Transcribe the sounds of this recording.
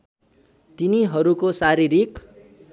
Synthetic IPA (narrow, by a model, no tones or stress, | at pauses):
t̪iniɦʌɾukosaɾiɾik